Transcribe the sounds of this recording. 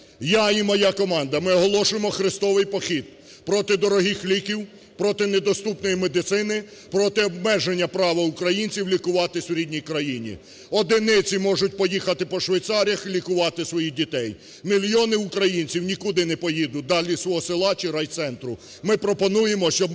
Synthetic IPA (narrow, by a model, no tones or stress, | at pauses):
jaimɔjakɔmɑnd̪ɐmɪɔɦɔlˠɔʃʊjemɔxɾɪst̪ɔʋɪjpɔxʲid̪̚ | pɾɔt̪ɪd̪ɔɾɔɦixlʲikʲiw | pɾɔt̪ɪned̪ɔst̪upnɔjimed̪ɪt̪sɪnɪ | pɾɔt̪ɪɔbmɛʒenʲːɐpɾɑʋɐʊkɾɐjinʲt͡sʲiwlʲikʊʋɑt̪ɪsʲɾʲidʲnʲijkɾɐjinʲḭ | ɔd̪ɪnɪt͡sʲimɔʒʊt̚ʲpɔjixɐt̪ɪpɔʃʋɐjt̪sɑɾʲɐxlʲikʊʋɑt̪ɪsʋɔjidʲit̪ɛj | mʲilʲjɔnɪʊkɾɐjinʲt͡sʲiwnʲikud̪ɪnɛpɔjid̪ʊd̪ɑlʲisʋɔɦɔsɪlˠɑt͡ʃiɾɑjt̪sɛnt̪ɾʊ | mɪpɾɔpɔnujemɔʃt͡ʃɔb